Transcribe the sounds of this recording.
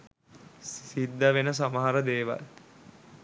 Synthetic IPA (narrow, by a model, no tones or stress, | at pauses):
ssid̪ːəʋenəs̬aməɦaɾəd̪eːʋa̰l